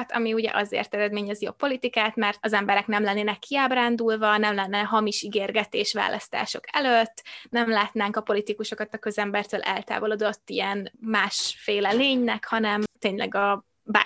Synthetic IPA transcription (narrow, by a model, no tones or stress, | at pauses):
t̪ʰɒ̰miuɟɛ̰ʔɒzḛrt̪ɛɾɛd̪meːɲɛzijopːo̞lit̪ikaːt̪mɛrt̪ɒzɛmbɛɾɛknɛmlɛnːeːnɛkːiaːbraːnd̪ulvɒnɛmlɛnːɛɦɒmiʃiɡeːrɡɛt̪eːʃʋa̰ːlʔɒ̰st̪a̰ːʃo̞̰kɛløt̪ːnɛmlaːt̪naːŋkɒpo̞lit̪ikuʃo̞kɒt̪ɒkø̞zɛmbɛrt̪øːlʔɛ̰lt̪a̰ːvo̞lod̪o̞t̪ːiɛnmaːʃfeːlɛleːɲnɛkhɒnɛmt̪eːɲlɛ̰ɡɒ | ba̰